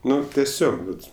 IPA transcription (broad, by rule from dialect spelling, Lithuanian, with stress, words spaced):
ˈnʊ tʲɛˈsʲoːk ˈʋɐt